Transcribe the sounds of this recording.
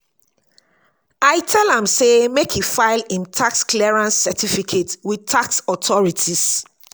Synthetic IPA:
aɪtʰɛlãmsemekʰufaɪlĩntʰakskʰlɛɹãnsːɛtʰifikʰetwid̚tʰaksɔtʰɔɹitʰis

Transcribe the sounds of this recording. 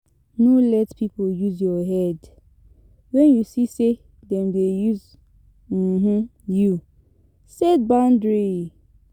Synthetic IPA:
nulɛtpipoljuzjɔɦɛd | wɛnjusise | dɛmdejuz | m̩ɦ̩ju | sɛd̚bãndɹi

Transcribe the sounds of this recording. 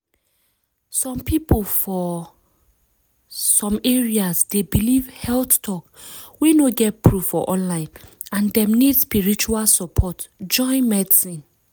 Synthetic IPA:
sɔ̃mpipolfɔ | sɔ̃meɹiasdebilivhɛlθtʰɔkwenoɡɛt̚pʰɹuv̥fɔʔɔ̃nlãɪ̃n | ãndɛ̃mnid̥spiɹit͡ʃualsɔpʰɔtd͡ʒɔ̃ɪ̃nmɛdsĩn

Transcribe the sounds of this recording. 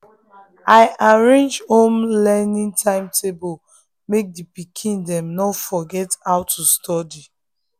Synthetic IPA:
aɪʔaɹẽnd͡ʒhõmlɛnĩntʰãɪ̃mtʰebo | mek̚dipikʰĩndɛ̃mnɔfɔɡɛtaʊtːustɔdi

